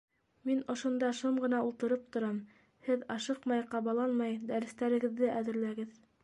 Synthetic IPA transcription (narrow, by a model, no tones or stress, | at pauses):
minŏʃŏnd̪ɑʃomɢɤ̆nɑulˠt̪ɤ̆ɾɤp̚t̪ŏɾɑm | hɘðɑʃɤqmɑjqɑβɑlˠɑnmɑjd̪æɾɘ̆st̪æɾɘ̆ɡɘ̆ðːɘʔæðɘ̆ɾlæɡɘð